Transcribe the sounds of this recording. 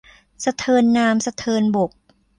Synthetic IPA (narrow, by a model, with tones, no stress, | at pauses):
sa˧t̪ʰɤː˧nːaː˧msa˧t̪ʰɤː˧nbo˨˩k̚